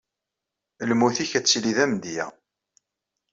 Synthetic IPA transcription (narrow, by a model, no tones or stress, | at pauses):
lmuθiçæt͡sːliðæmd̪jæ̰